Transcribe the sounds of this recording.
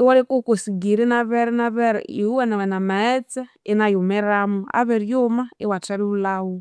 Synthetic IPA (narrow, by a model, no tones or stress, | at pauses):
iwaɾikukosiɡiɾinaβɛɾɛnaβɛɾɛ̰iwuwɛnawɛnamaɛt͡sɛ | inajomɛɾamua̰βɛɾjomaiwatɛɾuulawu